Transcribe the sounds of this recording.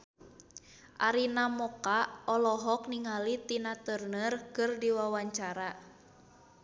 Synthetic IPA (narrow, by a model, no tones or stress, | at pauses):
ʔaɾinamɔkaɔlɔɦɔk̚niŋalit̪inat̪ərnərkɨrdiwawaɲt͡ʃaɾa